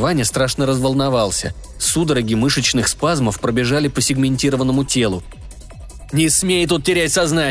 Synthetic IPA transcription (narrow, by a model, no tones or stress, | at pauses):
vanʲɪjəst̪ɾaʂnəɾəzvəlˠnɐvalˠsʲə̰ | sud̪əɾɐɡʲimɨʂət͡ɕnɨxspazməfpɾəbʲɪʐalʲɪpəsʲɪɡmʲɪnʲtʲiɾəvənːəmʊtʲe̞lˠʊ | nʲɪsmʲejt̪ut̪̚tʲɪɾʲætʲsɐzna